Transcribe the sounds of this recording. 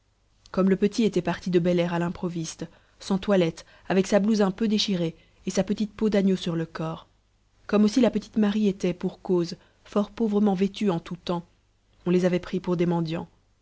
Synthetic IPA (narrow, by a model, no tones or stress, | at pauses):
kɔmləpət̪iet̪ɛpaʁt̪id̪əbɛlɛʁalɛ̃pχɔvist̪ | sɑ̃t̪walɛt̪ | avɛksabluzɛ̃pød̪eʃiʁe | esapət̪it̪pod̪anjosyʁləkɔːʁ | kɔmosilapət̪i̥t̪maʁiet̪ɛpuʁkoz | fɔʁpovʁəmɑ̃vet̪yɑ̃t̪ut̪ɑ̃ | ɔ̃lezavɛpχipuʁd̪emɑ̃d̪jɑ̃